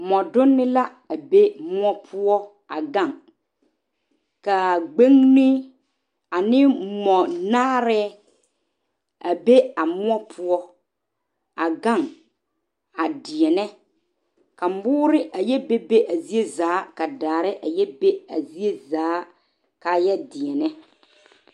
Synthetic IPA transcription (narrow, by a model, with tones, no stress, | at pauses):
mɔ˨dʊ˦nːɪ˦la˦ | a˨be˦mʊ˦ɔ˦pʰʊ˦ɔ˦ | a˨ɡa˦˨ŋ | ka˨ɡ͡be˦ŋnɪ˦ | a˨nɪ˦mɔ˨naː˦ɾɛ˦ | a˨be˦a˨mʊ˦ɔ˦pʰʊ˦ɔ˦ | a˨ɡa˦˨ŋ | a˨dɪ˨ɛ˨nɛ˦ | ka˨m̩˦bʊː˦ɾɪ˦ʔa˨jɛ˦be˦be˦ʔa˨zi˦e˦zaː˨˦ka˨daː˨ɾɪ˦ʔa˨jɛ˦be˦a̰˨zi˦e˦zaː˨˦ | ka˨jɛ˦dɪ˨ɛ˨nɛ˦